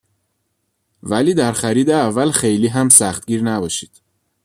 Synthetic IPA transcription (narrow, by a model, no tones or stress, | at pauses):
væliːd̪æɾxæɾiːd̪eævːælxe̞jliːɦæmsæxt̪̚ɡiːɾnæbɒːʃiːd̪̥